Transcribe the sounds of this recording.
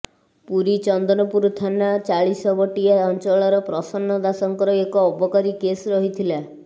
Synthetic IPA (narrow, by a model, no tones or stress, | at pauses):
puɾit͡ʃɔnd̪ɔnɔpuɾut̪ʰanat͡ʃaɭisɔbɔʈiaɔnt͡ʃɔɭɔɾɔpɾɔsɔnːɔd̪asɔŋkɔɾɔekɔːbɔkɔɾikesɾɔɦit̪ʰila